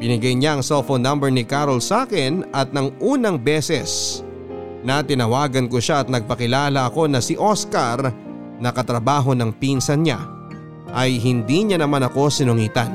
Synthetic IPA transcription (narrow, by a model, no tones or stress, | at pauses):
pɪnɪɡajɲaɐŋsɛlfonːɐmbɛɹnɪkaɾolsaːkɪnɐt̪̚nɐŋʔuːnɐŋbɛːsɛs | nɐt̪ɪnɐwaːɡɐnkoʃaːt̪̚nɐɡ̚pɐkɪlaːlɐʔɐko̞nɐsɪʔo̞skɐɾ | nɐkɐt̪ɾɐbaːɦo̞nɐŋpinsɐnɲa̰ | ʔɐjɦɪnd̪iɲanɐmanɐko̞sɪnʊŋiːt̪ɐn